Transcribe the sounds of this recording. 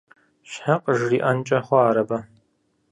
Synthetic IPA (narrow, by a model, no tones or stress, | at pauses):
ɕħaqʼəʒriːʔɐnt͡ʃʼɐχʷɔaːɾɐbɐ